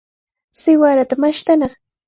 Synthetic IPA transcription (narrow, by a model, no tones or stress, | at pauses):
sɪwaɾat̪amaʃt̪anɑχ